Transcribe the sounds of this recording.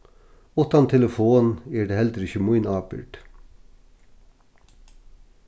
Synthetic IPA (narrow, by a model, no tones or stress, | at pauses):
ʊt̪ɑnt̪ʰɛləfoːneːɖeːhɛld̪əɾɪçəmʊɪnɑːbɪ̰ʈ